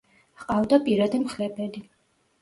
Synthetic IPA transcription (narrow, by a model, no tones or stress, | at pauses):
qʼavd̪apʼiɾad̪ɛmχlɛbɛli